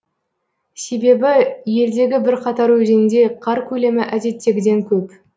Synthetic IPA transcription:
se̞be̞bɪje̞ld̪e̞ɡʲɪbɪɾqʰɑt̪ɑɾwɵze̞nɪnd̪e̞qʰɑɾkʲʰɵle̞mɪʔæd̪e̞t̪ːe̞ɡʲɪd̪e̞ŋkʲʰɵp

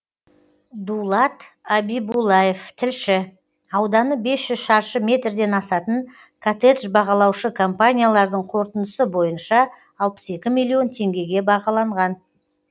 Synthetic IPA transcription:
d̪ulˠɑt̪ | abijbulˠɑje̞ft̪ʰɪlʃɪ | ɑwd̪ɑnəbe̞sʒ̥ʏzʃɑɾʃəmʲe̞t̪ɾd̪e̞nɑsɑt̪əɴ | kʰat̪et̪ʒbɑʁɑlˠɑwʃəkʰompanʲijalˠɑɾd̪əɴqʰo̞ɾt̪ənəsəbo̞jənʃɑː | lˠpə̥se̞kʲɪmilˠio̞nt̪ʰe̞ŋɡʲe̞ɡʲe̞bɑʁɑlˠɑɴʁɑn

